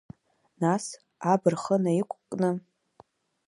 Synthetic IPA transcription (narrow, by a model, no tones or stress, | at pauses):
nas | abɨrχənajikʷʼkʼnɨ